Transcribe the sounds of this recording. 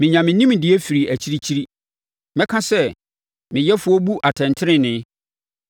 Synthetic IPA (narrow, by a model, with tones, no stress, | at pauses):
mɪ̃˨ɲã˨mɪ̃˨nĩ˦m˨dɪ˨ɛ˦fi˨ɾi˨ʔæ˨t͡ɕʰi˦ɾi˦t͡ɕʰi˦ɾi˦ | mɛ̃˦kʰã˦sɛ˦ | mɪ̃˨jɛ˦fʊ˦ɔ˦bu˦ʔa˨tʰɛ̃˨ntʰɪ˦ɾɪ̃˦nɪ̃˨˦